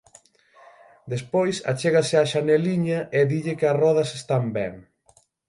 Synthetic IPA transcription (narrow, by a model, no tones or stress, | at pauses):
d̪espojsa̰t͡ʃeɣasɪaʃaneliɲɐʔɪðiʎɪkɪɐrɔðɐsest̪ambɛŋ